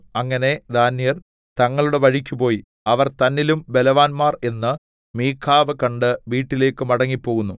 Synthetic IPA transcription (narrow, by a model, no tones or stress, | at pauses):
ɐŋːɐne̞d̪aːnːijɐr | t̪ɐŋːɐɭuɽeʋɐɻikʲːupo̞ːji | ɐʋɐrt̪ɐnːilumbe̞lɐʋaːnmaːre̞nːɨ | miːkʰːaːʋɨkɐɳɖɨʋiːʈːile̞ːkːɨmɐɽɐŋːipːo̞ːɣunːu